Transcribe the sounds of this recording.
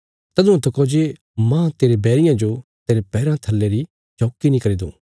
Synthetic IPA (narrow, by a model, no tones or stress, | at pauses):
t̪ɐd̪ʊ̃ũt̪ʰɐkod͡ʒe | mãːt̪eːɾebɛːɾɪjãd͡ʒot̪eːɾepɛːɾãt̪ʰɐlːeɾi | t͡ʃɔːkinĩkɐɾid̪ṵ̃ː